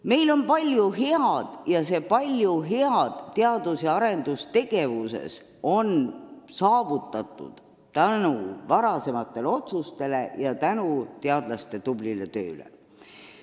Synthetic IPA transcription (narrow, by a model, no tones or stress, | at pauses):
me̞jlo̞npɑlʲjuɦe̞ɑd̪̥jɑse̞pɑlʲjuɦe̞ɑd̪̥t̪ːeɑd̪̥useɑɾe̞nd̪̥ust̪e̞ɡ̥e̞vuse̞̰s | o̞nsɑːvut̪ːˑɑt̪ˑːṵd̪̥ | t̪ænuvɑɾɑse̞mɑt̪ːˑe̞leo̞t̪sust̪e̞le̞jɑt̪ænut̪e̞ɑd̪̥lɑst̪e̞t̪ublile̞t̪ø̞̰ːlḛ